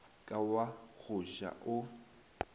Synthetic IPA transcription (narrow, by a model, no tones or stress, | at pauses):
kʼawak͡xʰʊʃa̰ʔʊ